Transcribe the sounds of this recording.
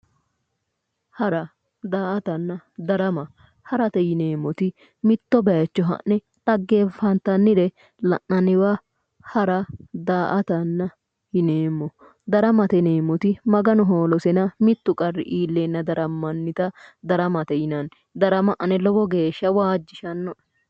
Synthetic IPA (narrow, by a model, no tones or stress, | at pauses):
hɐɾɐ | d̪aːʔɐt̪ɐnːɐd̪ɐɾɐmɐ | hɐɾɐt̪ɛjɪneːmːɔt̪ɪ | mɪt̪ːɔbɐjɐt͡ʃːɔɦɐ̰nɛ | ᶑɐɡːefɐnt̪ːɐnːɪd̪ɛ | lɐ̰ʔɐnɪwa | hɐɾɐd̪aːʔɐt̪ɐnːɐ | jɪneːmːɔ | d̪ɐɾɐmɐt̪ɛneːmːɔt̪ɪmɐɡɐnɔɦo̞ːlɔsɛnɐmɪt̪ːʊkʼɐrːɪ̰ʔiːlːeːnːɐd̪ɐɾɐmːɐnːɪt̪ɐd̪ɐɾɐmɐt̪ɛjɪnɐn | d̪ɐɾɐmɐʔɐnɛlɔbɔɡeːʃːɐwaːd͡ʒːɪʃɐnːɔ